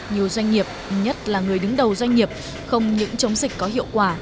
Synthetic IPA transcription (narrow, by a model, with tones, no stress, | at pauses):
ɲi˨˩əwzwa˧jŋ̟ːi˨˩əp̚ɲə˦˥t̚laː˨˩ŋɨ˨˩əjɗɨ˨˦ŋɗə˨˩wzwa˧jŋ̟ːi˨˩əp̚ | xə˧wŋ͡mɲɨ̰˧˥ŋt͡ɕə˨˦wŋ͡mzï˨˩k̟̚kɔ˨˦ɦḭ˧˨əwkwaː˧˩